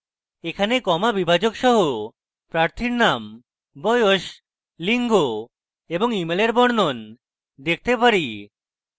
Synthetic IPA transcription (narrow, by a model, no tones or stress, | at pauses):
ekʰanekɔmabibʱad͡ʑoɡʃɔɦo | pɾaɾt̪ʰiɾnam | bɔjoʃ | liŋɡo | eboŋimeleɾbɔɽnon | d̪ek̚ʰt̪epaɾi